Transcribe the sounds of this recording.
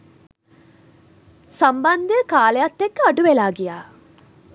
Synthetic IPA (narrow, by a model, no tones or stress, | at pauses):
samband̪əəkaːlejat̪ːekːaɖuʋelaːɡijaː